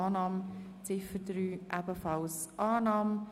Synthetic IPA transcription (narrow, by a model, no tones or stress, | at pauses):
ɑːnɑːm | t͡sɪfədɾyːʔæbəfɑlsʔɑːnɑːm